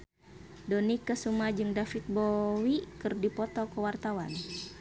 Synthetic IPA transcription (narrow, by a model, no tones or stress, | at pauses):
dɔnikəsumad͡ʒɨŋdafit̪̚bowikɨrdipɔt̪ɔkəwart̪awa̰n